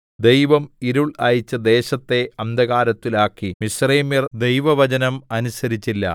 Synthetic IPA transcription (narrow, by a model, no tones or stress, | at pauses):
d̪e̞jʋɐmiɾuɭɐːjit͡ɕːɐd̪e̞ːɕɐt̪ːe̞ɐnd̪ɐɣaːɾɐt̪ːilaːkːimisreːmird̪e̞jʋɐʋɐt͡ɕɐnɐmɐnusɐɾit͡ɕːilːɐ̰